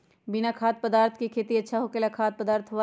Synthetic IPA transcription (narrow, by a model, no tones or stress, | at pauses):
bɪnakʰaːt̪̚pəd̪aːɾt̪ʰkikʰeːt̪iɐtːʃʰaɦoːkelakʰaːt̪̚pəd̪aːɾt̪ʰɦoʋa